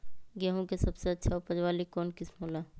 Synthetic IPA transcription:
ɡaɦõkesɐbseɐtːʃʰaʊpəd͡ʒwaːlikɔːnkɪsmoːlaː

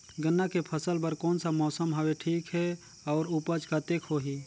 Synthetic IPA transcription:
ɡənːakepʰəsəlpəɾkɔːnsamɔːsəmɦaweʈʰiːkɦɛ | ɔːɾupəd͡ʒkat̪ekʰɦoɦi

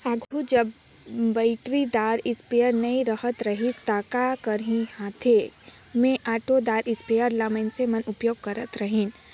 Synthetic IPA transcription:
aːʈʰud͡ʒɐb | baɪʈɾid̪aːɾɪspejəɾnɐĩɾɐɦət̪ɾɐɦist̪aːkakəɾɦĩhãːt̪ʰe | mẽʔaːʈod̪aːɾʔɪspejəɾlaməɪnsemɐnʊpjoːɡ̚kɐɾət̪ɾɐɦĩn

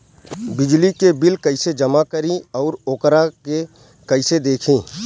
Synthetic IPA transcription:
bɪd͡ʒlikebɪlkɐɪsed͡ʒɐmakəɾĩɔːɾoːkɾake | kɐɪsed̪eːkʰĩː

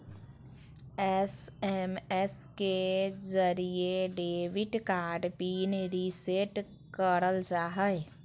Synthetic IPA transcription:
ɛsɛmɛskezəɾieɖeːʋɪʈkaːɾɖpiːnɾiseʈ | kəɾəld͡ʒaːɦəe

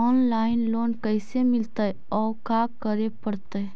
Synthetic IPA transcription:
ɔːnlaːɪnloːnkəɪsemɪlt̪aɦɛ | ɔːkaːkəɾepəɽt̪aɦɛ

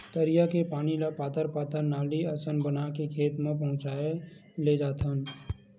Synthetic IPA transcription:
t̪əɾɪjakepaːnilapaːt̪əɾpaːt̪ənːaːliəsənbənakekʰeːt̪mẽpəɦʊ̃t͡ʃaːe | led͡ʒaːt̪ʰən

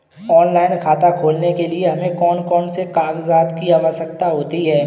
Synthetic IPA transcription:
ɔːnlaːɪnkʰaːt̪akʰoːlnekelieɦɐmẽkɔːnkɔːnsekaːɡzaːd̪kijaʋəsək̚t̪aɦoːt̪iɦɛː

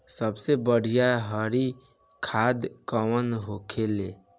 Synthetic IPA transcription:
səbsebəɽ̤ijaɦəɾi | kʰad̪kəwənɦokʰele

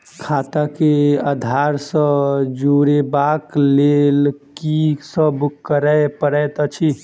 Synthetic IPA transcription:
kʰat̪akead̪ʱaɾsə̃d͡ʒuɾebaklelkisəbkəɾəjpəɾɛjt̪ət͡ʃʰi

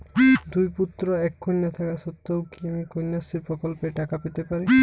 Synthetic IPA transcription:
d̪ujput̪ːɾɔɛkʰːonːat̪ʰakasɔt̪ːowkiamikʰojnːasipɾɔkɔlpeʈakapet̪epaɾi

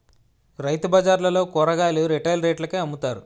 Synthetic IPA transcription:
ɾɐjt̪ubɐd͡ʒaːɾlɐlo̞ːkɔːɾɐɡaːluɾiʈɐjlɾeːʈlɐkeːɐmːut̪aːɾu

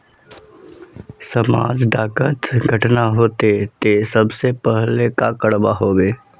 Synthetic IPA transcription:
səmaːd͡ʒɖaːkət̪ɡʱəʈnaɦoːt̪et̪esəbsepɛɦlekakəɽbaɦoːbeː

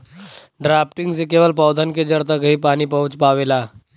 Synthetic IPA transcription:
ɖɾaːpʈɪ̃ŋɡsekeːʋəlpɔːwd̪ʱənked͡ʒɐɽt̪əkɦipaːnipɐɦʊ̃t͡ʃpaːʋeːlaː

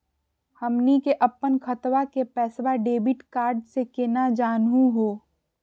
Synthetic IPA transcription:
hɐmnikeʔɐpːənkʰɐt̪wakepɛːsʋaɖeːbɪʈkaːɾɖsekenad͡ʒaːnɦũɦoː

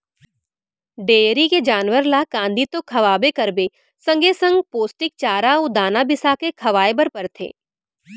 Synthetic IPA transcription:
ɖeːɾiked͡ʒaːnʋəɾlakãːnd̪it̪okʰɐʋaːbekɐɾbe | sɐ̃ŋɡesə̃ŋɡpoːsʈɪk̚t͡ʃaːɾaod̪aːnabɪsakekʰɐʋaːebəɾpɐɾt̪ʰḛː

